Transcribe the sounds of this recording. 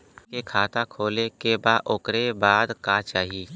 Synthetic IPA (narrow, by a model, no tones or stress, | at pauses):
kekʰaːt̪akʰoːlekebaʔʊkɾebaːd̪kaːt͡ʃaːɦiː